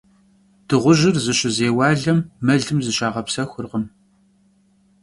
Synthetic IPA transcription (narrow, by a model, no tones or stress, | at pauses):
d̥ɨʁʷʊʒɪrzɨɕʼɪzeːwɑːɮɐmːɐɮɨmzɨɕaːʁɐpsɐxʷʊrʁəm